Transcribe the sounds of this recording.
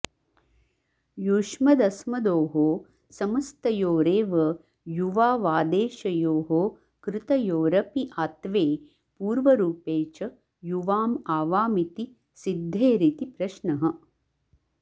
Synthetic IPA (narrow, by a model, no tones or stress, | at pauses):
juʂmɐd̪ɐsmɐd̪oːɦoː | sɐmɐst̪ɐjoːɾeːʋɐ | juʋaːʋaːd̪eːʃɐjoːɦoː | kɾɪt̪ɐjoːɾɐpiʔaːt̪ʋeː | puːɾʋɐɾuːpeːt͡ʃɐ | juʋaːmaːʋaːmit̪i | sid̪ʱːeːɾit̪ipɾɐʃɳɐɦɐ̆